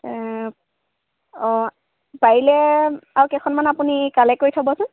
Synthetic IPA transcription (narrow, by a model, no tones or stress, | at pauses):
ɔ | paɹilɛaɹwkɛkʰɔnmanapunikalɛkoɹitʰabɔasʊn